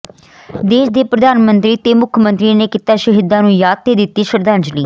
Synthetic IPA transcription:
d̪eːʃd̪eːpɾəd̪aːnmənt̪ɾiːt̪eːmʊkʰjəmə̃nt̪ɾiːneːkɪt̪aːʃəɦɪd̪ãːnũːjaːd̪̚t̪eːd̪ɪt̪ːiːʃəɾd̪ãːnd͡ʒliː

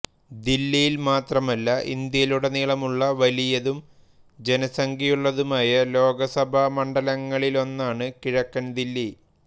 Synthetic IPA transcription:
d̪ilːijilmaːt̪rɐmɐlːɐʔḭnd̪jɐjiluɽe̞niːɭɐmuɭːɐʋɐlijɐðum | d͡ʑe̞nɐsɐŋɡijuɭːɐðumaːjɐlo̞ːɡɐsɐbʱɐmɐɳɖɐlɐŋːɐɭilo̞nːaːɳɨkiɻɐkːɐnd̪ilːi

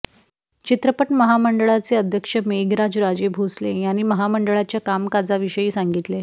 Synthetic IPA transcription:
t͡ɕit̪ɾəpəʈməɦaməɳɖəɭat͡seəd̪ʱjəkʂəmeɡɾad͡zɾad͡ʑebʱoslejañiːməɦaməɳɖəɭat͡ɕjakamkad͡zaʋiɕəjiːsaŋɡit̪le

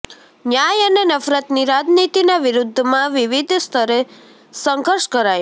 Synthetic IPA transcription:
njajənenəfɾət̪niɾad͡ʒnit̪inaʋiɾud̪ʱːmãʋiʋid̪ʱst̪ʰəɾe | sə̃ŋɡʱəɾʃkəɾaj

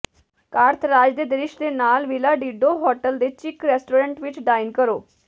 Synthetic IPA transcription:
kaɾt̪ʰɾad͡ʑd̪ed̪ɾiʂd̪enalʋilaɖiɖoɦɔʈəld̪et͡ɕikɾesʈoɾəɳʈʋiːt͡ɕɖainkəɾo

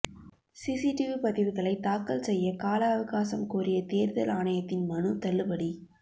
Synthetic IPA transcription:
siːsiʈɪʋipɐðɪʋɯɣɐɭɐɪt̪aːkːɐlsɛjːɐkaːlɐɐʋɐɣaːsɐmkuːrɪjɐt̪eːɾðɐlaːnɐjɐt̪ːɪnmɐnɯt̪ɐlːɯpɐɽi

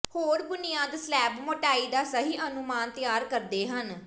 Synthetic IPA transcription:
hoːɽbʊnɪjãːd̪slɛːbmoʈaːiːd̪aːsəɦiːʔənʊmaːnt̪ɪjaːɾkəɾd̪eːɦən

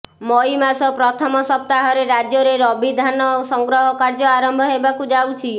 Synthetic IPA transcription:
mɔimasɔpɾɔt̪ʰɔmɔsɔp̚t̪aɦɔɾeɾad͡ʒjɔɾeɾɔbid̪ʱanɔsɔŋɡɾɔɦɔkaɾd͡ʒɔaɾɔmbʱɔɦebakud͡ʒawt͡ʃʰi

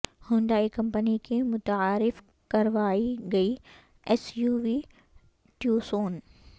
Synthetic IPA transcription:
hʊ̃ːnd̪aːikɐ̃mpənikʰimʊt̪aːɾɪf | kɐɾʋaːiɡɐi | esjuːʋiː | ʈjusoːn

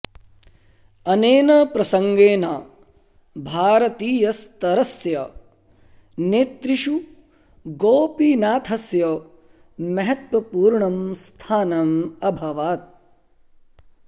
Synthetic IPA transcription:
ɐneːnɐpɾɐsɐŋɡeːnaː | bʱaːɾɐt̪iːjɐst̪ɐɾɐsjɐ | neːt̪ɾiʃu | ɡoːpiːnaːt̪ʰɐsjɐ | mɐɦɐt̪ʋɐpuːɾɳɐmst̪ʰaːnɐmɐbʱɐʋaːt̪̚

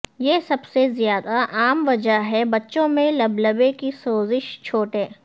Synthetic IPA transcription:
jeːsɐbsezjaːd̪aʔaːmʋɐd͡ʒəɦɛbɐtːʃõmẽlɐblɐbekisoːzɪʃt͡ʃʰoːʈɦeː

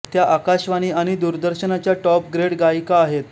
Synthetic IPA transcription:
t̪jaʔakaɕʋaɽ̃iːaɽ̃id̪uɾd̪əɾɕənat͡ɕjaʈɔp̚ɡɾeɽɡajikaːɦet̪

